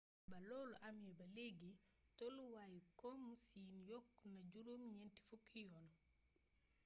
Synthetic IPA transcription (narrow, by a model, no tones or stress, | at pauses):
balɔːluʔamjɛbɐleɡitɔluwaːjikɔmsinjɔkːnad͡ʒuɾumɲɛnti̥fukʰːijɔːn